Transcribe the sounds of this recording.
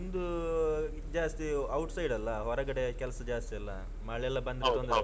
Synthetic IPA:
ind̪u | d͡ʒaːst̪iɐwʈsɐjɖɐlːɐɦɔɾɐɡɐɽe̞kɛlɐsɐd͡ʒaːst̪ijɐlːɐ | mɐːɭɛlːɐbɐnd̪ion

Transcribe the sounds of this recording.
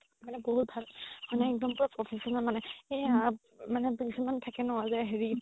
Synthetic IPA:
manɛboɦut̚bʱalmanɛɛk̚dɔmpʊɹapɹɔpʰesɔnɔlmanɛ | manɛbisimantʰakɛnʊwazaɦeɹi

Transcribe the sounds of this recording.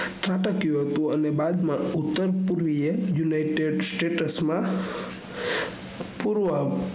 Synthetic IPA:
ʈɾaʈəkjũɦət̪ũənebad̪mãut̪ːəɾpuɾʋiejunaiʈeɖsʈeʈəsmã | puɾʋə

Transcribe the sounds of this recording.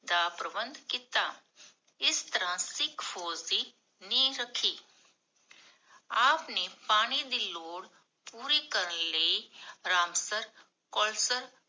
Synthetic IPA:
d̪aːpɾəbə̃nd̪ʱkɪt̪aː | ɪst̪əɾãːsɪkʰfʰoːziː | nĩːɾəkʰːiː | aːpneːpaːɽ̃id̪iːloːɽ | puːɾiːkəɾənləiɾaːmsəɾ | kɔːlsəɾ

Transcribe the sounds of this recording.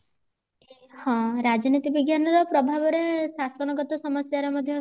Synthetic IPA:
hɔ̃ɾad͡ʒɔnit̪ibiɡjanɔɾɔpɾɔbʱabɔɾesasɔnɔɡɔt̪ɔsɔmɔsjaɾemɔd̪ʱjɔ

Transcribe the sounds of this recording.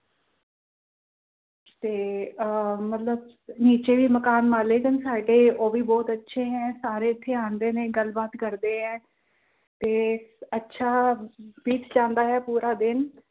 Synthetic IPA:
t̪eː | mət̪ləb | niːt͡ʃeːʋiːməkaːnmaːleːkənsaːɖeːoːbiːbɔːt̪ətːʃʰeːɦɛ̃ːsaːɾeːɪt̪ʰːeːaːnd̪eːnẽːɡəlbaːt̪kəɾd̪eːɦɛ̃ː | t̪eːətːʃʰaːʋiːt͡ʃd͡ʒãːnd̪aːɦɛːpuːɾaːd̪ɪn

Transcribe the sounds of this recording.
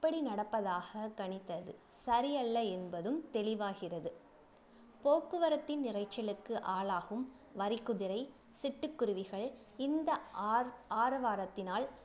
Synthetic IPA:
ɪpːɐɽinɐɽɐpːɐðaːɣɐkɐɳɪt̪ːɐðɯsɐɾɪjɐlːɐɛnbɐðɯmt̪ɛlɪʋaːɣɪrɐðɯ | poːkːɯʋɐɾɐt̪ːɪnnɪrɐɪt͡ʃːɐlɯkːɯʔaːɭaːɣɯm | ʋɐɾɪkːʊðɪɾɐɪ | sɪʈːɯkːʊɾʊʋɪɣɐɭ | ɪnd̪ɐ | aːɾɐʋaːɾɐt̪ːɪnaːl

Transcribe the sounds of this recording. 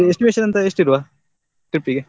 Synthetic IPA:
ɪsʈimeːʃɐnɐnt̪ɐesʈiɾuʋaː | ʈɾip̚ʈiːke

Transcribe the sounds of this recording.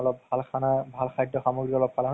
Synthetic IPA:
ɔlɔpbʱalkʰanabʱalkʰajdɔxamoɡɹikɔlɔb̚kʰalʰa

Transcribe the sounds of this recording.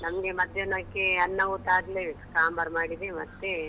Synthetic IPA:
nɐmɐɡemɐd̪ʱjɐnɐmkːeɐnːɐɡot̪ːaːɡlekaːmbɐɾmaːɽid̪emɐt̪ːe

